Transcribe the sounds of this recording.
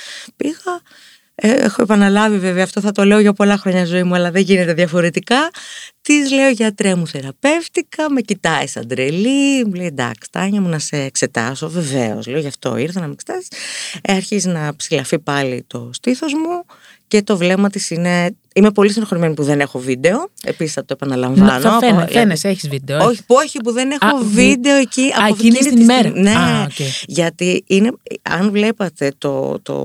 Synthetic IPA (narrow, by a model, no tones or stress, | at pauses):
piɣɐ | eexo̞epɐnɐlɐvive̞veɐːft̪o̞θɐt̪o̞le̞oʝɐpo̞lɐxɾo̞ɲɐzo̞imuɐlɐðeʝine̞t̪eðʝɐfo̞ɾe̞t̪ikɐt̪izle̞o̞ʝɐt̪ɾemuθe̞ɾɐpe̞ft̪ikɐme̞cit̪ɐisɐ̰nd̪ɾelimuleid̪ɐ̰kst̪ɐɲɐmunɐse̞ːkse̞t̪ɐ̰so̞ve̞ve̞̰o̰slio̞ʝɐft̪o̞̰iɾθɐnɐmekset̪ɐsi̥sɐɾçiznɐpsilɐfipɐlḭt̪o̞st̪iθo̞zmu | ce̞t̪o̞vle̞mɐt̪isine̞ | imepo̞lisinxoɾimenipuðe̞nexo̞vid̪e̞o̞e̞̰pisisθɐt̪oepɐnɐlɐɱvɐnoneseçizvid̪eooçipoçipuðe̞nexo̞vid̪e̞o̞eciɐofniiɾne | ʝɐt̪iineɐ̰nvle̞pɐt̪e̞t̪o̞̰t̪o̰